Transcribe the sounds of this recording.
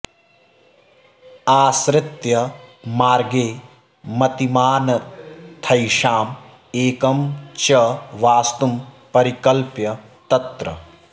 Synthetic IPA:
aːsɾɪt̪jɐmaːɾɡeː | mɐt̪imaːnɐt̪ʰɐjʃaːm | eːkɐmt͡ʃɐʋaːst̪um | pɐɾikɐlpjɐ | t̪ɐt̪ɾɐ̰

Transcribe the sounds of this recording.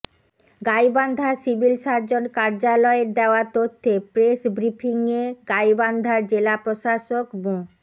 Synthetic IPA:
ɡajband̪ʱasibʱilʃaɾd͡ʑonkaɾd͡ʑalɔeɾd̪eoaɾt̪ot̪ʰːepɾeʃbɾipʰiŋeɡajband̪ʱaɾd͡ʑelapɾoʃaʃokbũ

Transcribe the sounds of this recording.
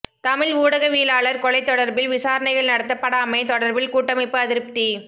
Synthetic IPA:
t̪ɐmɪluːɽɐɣɐʋiːlaːɭɐɾkɔlɐɪt̪ːɔɽɐɾbɪlʋɪsaːɾɐɳɐɪɣɐɭnɐɽɐt̪ːɐpːɐɽaːmɐɪt̪ɔɽɐɾbɪlkuːʈːɐmɐɪpːɯɐðɪɾɯp̚t̪i

